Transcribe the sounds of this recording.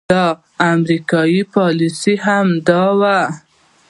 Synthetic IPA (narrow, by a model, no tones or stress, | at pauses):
ɑ | amɾikɑjipɑlisiɦamd̪ɑwa